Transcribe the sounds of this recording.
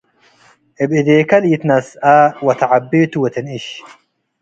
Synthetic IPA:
ʔɪbɪd̪eːkɐliːt̪nɐsaːwɐt̪ʰɐʕabːeːt̪ʊwɛt̪ɛnɪʃ

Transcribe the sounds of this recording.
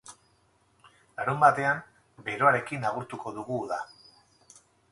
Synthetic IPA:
aɾumbat̪e̞am | be̞ɾo̞aɾe̞kinaɣ̞uɾt̪uko̞ðuɣuða

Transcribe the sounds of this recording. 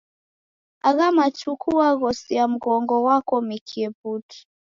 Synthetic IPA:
aɣamat͡ʃukʰuaɣɔsiam̩ɣɔŋɡɔwakɔmikʰiɛputu̥

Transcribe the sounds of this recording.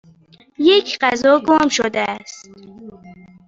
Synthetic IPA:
jekʰqæzɔɡoːmʃod̪ast̪

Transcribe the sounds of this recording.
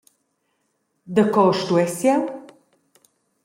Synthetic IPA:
d̪əkɔʃt̪uɛsja

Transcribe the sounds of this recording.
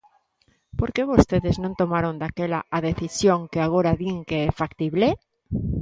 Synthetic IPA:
poɾkeβ̞ost̪eðeznõnt̪omaɾond̪akela̰ʔaðeθisjoŋkeaɣ̞oɾaðiŋkeefakt̪iβle

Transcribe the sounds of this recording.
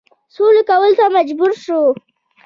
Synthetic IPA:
solokawəlt̪amad͡ʒbuɾʃo

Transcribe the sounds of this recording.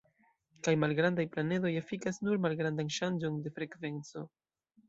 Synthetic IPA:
kajmalɡɾandajplane̞do̞jafikasnuɾmalɡɾandanʃand͡ʒo̞nde̞fɾe̞kve̞nt͡so̞

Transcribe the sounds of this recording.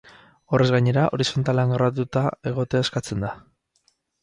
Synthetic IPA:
o̞re̞zɣaɲe̞ɾaʔo̞ɾiso̞nt̪ale̞aŋɡaɾat̪̬ut̪ae̞ɣo̞t̪eaeskat͡se̞nd̪a

